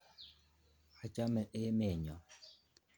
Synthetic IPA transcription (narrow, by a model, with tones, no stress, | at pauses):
a˨t͡ʃa˦mɛ˨ʔe˦me˦˨ɲa˨